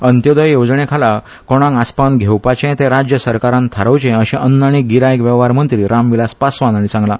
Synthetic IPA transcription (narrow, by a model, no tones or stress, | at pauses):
ənt̪jod̪əjjod͡zɳekʰala | kɔɽ̃ãŋaspanɡʱewpat͡ɕẽt̪ẽɾad͡ʑjəsəɾkaɾãnt̪ʰaɾəwt͡ɕẽəɕɛ̃ʔənːaɽ̃iɡiɾajkʋɛʋɦaɾmənt̪ɾiːɾamʋilaspasʋãnañit͡sãŋɡla